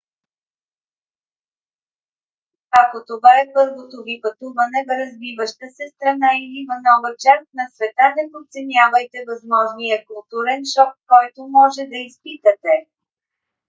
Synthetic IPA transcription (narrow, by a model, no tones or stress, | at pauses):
ɐkot̪ovaɛpɤɾvot̪ovipɐt̪uvɐnɛvɾɐzvivəʃt̪əsɛst̪ɾɐnailivɐnɔvɐt͡ʃast̪̚nɐsvɛt̪anɐpot̪sɛnʲavəjt̪ɛvɐzmɔʒnijəkʊlˠt̪uɾɛnʃɔkːɔjt̪omɔʒɛd̪ɐispit̪ət̪ɛ